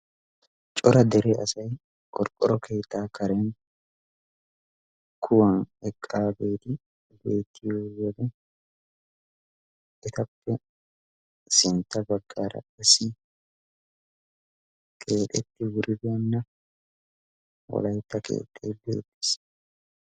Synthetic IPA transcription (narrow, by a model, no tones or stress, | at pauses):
t͡ʃʼɔɾɐd̪ɛɾeɐsɐj | kʼɔɾkʼɔɾɔkʰe̞ːt̪ːaːkɐɾɛn | kʰʊwɐnɛkʼːaːbe̞ːt̪ɪ | be̞ːt̪ʰːɪjoːwɔd̪ɛ | ʔɛt̪ɐpːɛ | sɪnt̪ːɐbɐɡːaːɾɐ̰ɐsɪ | kʰe̞ːᶑɛt̪ːɪwʊɾɪbɛɐnːɐ | wɔ̰lɐjt̪ːɐke̞̰ːt̪ʼːejbḛːd̪ːɪs